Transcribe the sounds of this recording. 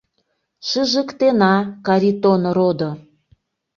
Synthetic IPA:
ʃɨʒəkt̪enɑkɑɾʲit̪onɾod̪o

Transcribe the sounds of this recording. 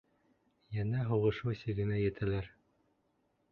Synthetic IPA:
jænæɦuʁɤ̆ʃɤsiɡɘ̆næjɘ̆t̪ʰælæɾ

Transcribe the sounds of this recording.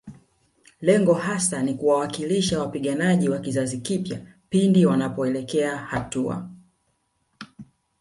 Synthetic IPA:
lɛŋɡɔɦasanikuwawakiliʃawapiɠanaʄiwakizazikipja̰pindiwanapɔɛlɛkɛahatua̰

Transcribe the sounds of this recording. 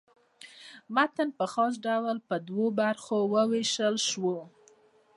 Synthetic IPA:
mat̪ənpəxɑs̬ɖawlpəd̪wobaɾxowəweʃəlʃwo

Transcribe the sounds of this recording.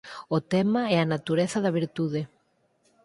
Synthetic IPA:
ot̪ɛmaɛanat̪uɾeθaðaβ̞iɾt̪uð̞e

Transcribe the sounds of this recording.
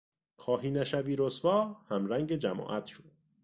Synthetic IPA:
kʰɒːɦiːnæʃæviːɾosvɒːhæmɾæŋɟed͡ʒæmɒ̰ːʔæt̪ʰʃod̪̚

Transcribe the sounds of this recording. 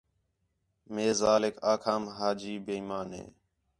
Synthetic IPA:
meːzaːlɪkʰaːkʰaːmɦaːd͡ʒiːbeːimaːnɦḛː

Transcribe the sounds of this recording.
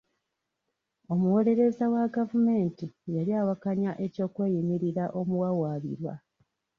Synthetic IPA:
o̞muwo̞le̞ɾe̞zawaɡavume̞ːntijaljaːwakaɲaʔe̞co̞ːkwe̞ːjimiɾiɾaʔo̞muwawaːβḭɾwa̰

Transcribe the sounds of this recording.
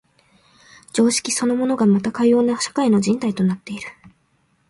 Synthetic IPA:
d͡ʑo̞ːɕi̥kʲiso̞no̞mo̞no̞ɡamat̪akajo̞ːnaɕḁkaino̞ʑĩnt̪ait̪o̞nat̪ːe̞iɾɯ̟̥

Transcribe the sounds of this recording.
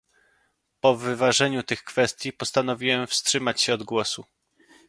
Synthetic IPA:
pɔvɘvaʐɛɲut̪ɘxkfɛst̪ʲjipɔst̪an̪ɔvʲiwɛmfstʂɘmat͡ɕɕɛɔd̪ɡwɔsu

